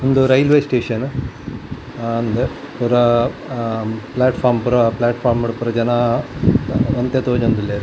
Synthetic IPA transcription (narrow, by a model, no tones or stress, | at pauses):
ond̪uɾɐjlʋeːsʈeːʂɐn | ɐnd̪e | puɾɐ | plaːʈpʰaːɾmpuɾɐplaːʈpʰaːɾmɐɽpuɾɐd͡ʒɐna | ʋɐnt̪jet̪oːd͡ʒond̪ule